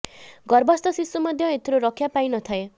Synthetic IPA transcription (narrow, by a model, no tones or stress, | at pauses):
ɡʌrbʌst̪ʌsisumʌd̪ʱjʌet̪ɾoɾʌkʰjapajnʌt̪ʰʌe